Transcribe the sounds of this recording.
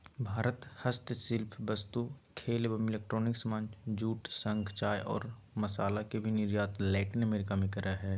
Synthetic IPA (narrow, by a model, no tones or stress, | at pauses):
bʱaːɾət̪hɐst̪sɪlpʰbɐst̪ukʰeːlbəmɪleːk̚ʈɾoːnɪksmãːnd͡ʒd͡ʒuːʈsə̃ŋɡt͡ʃaːjʔɔ̰ːɾ | mɐsaːlakebʱinɪɾjaːt̪lɛːʈɪnəmeːɾɪkamikəɾaɦɛː